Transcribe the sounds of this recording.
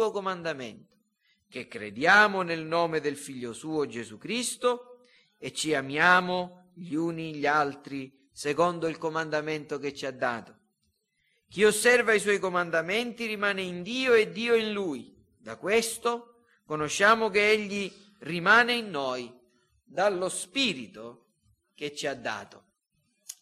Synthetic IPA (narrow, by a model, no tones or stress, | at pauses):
okomand̪amɛnt̪o̥ | k̟ekːɾḛd̪jaːmʊnelnɔːmed̪elfiʎːosuːod͡ʒezukɾist̪o | et͡ʃːiamjaːmo | ʎuːniʎalt̪ɾi | sekɔnd̪oilkomand̪amɛnt̪oket͡ʃːiad̪ːa̰ːt̪o̥ | k̟iosːɛrvaiswɔjkomand̪amɛnt̪irimaːneind̪iːoed̪ːiːoinluːj | d̪akwest̪o | konoʃːaːmok̟eeʎːi | rimaːneinːɔj | d̪alːospiːɾit̪o | k̟et͡ʃːiad̪ːa̰ːt̪o